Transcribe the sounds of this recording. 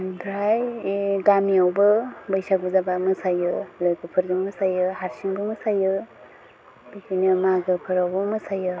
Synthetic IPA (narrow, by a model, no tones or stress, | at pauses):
bɾajɡamiawbɯbɯjsabɯzabamɯsajɯlojɡɯpʰɯɾɡɯmɯsajɯhaɾsiŋbɯmɯsajɯ | b̥ijkʰinimaɡɯpʰɯɾawbɯmɯsajɯ